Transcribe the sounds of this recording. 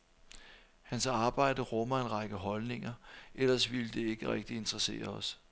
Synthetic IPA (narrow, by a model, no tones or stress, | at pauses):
hænsɑ̈ːb̥ɑ̈ɪ̰d̥əʁɔ̽mɐe̝nʁɑ̈ɡ̥əɦɒ̽lne̝ŋɐʔelɐsʋiləd̥e̝e̝ɡ̥əʁɛɡ̥̚d̥ie̝nd̥ʁɐse̝̰ːɐɒ̽s